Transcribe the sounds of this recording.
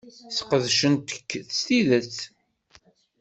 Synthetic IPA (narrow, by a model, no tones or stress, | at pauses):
θqəðʃənt̪ə̥kːθə̥st̪iðət͡s